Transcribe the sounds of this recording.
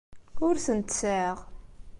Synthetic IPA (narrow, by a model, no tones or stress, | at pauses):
ʊɾsənt̪səʁ